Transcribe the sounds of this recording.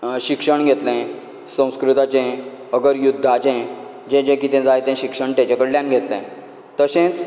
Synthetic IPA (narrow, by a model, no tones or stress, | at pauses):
ɕikʂəɳɡʱet̪lɛ̃ | sə̃w̃skɾut̪at͡ɕɛ̃ | əɡəɾjud̪ʱːat͡ɕɛ̃ | d͡ʑɛ̃t͡ɕɛ̃kit̪ɛ̃d͡zajt̪ɛ̃ɕikʂəɳʈẽt͡ɕɛ̃kəɽljãnɡʱet̪lɛ̰̃ | t̪əsẽt͡s